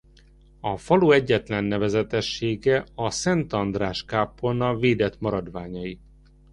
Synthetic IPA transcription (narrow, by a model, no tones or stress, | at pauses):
ɒfɒloːɛɟːɛt̪lɛnːɛvɛzɛt̪ɛʃːeːɡɛɒsɛnt̪ɒnd̪raːʃkaːpːonɒveːd̪ɛt̪mɒɾɒd̪vaːɲɒji